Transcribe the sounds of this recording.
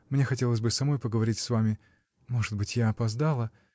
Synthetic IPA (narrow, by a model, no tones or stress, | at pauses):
mnʲe̞xɐtʲe̞lˠəsʲbɨsɐmo̞jpəɡəvɐɾʲitʲsvamʲɪ | mo̞ʐɨd̪bɨtʲjaɐpɐzd̪alˠə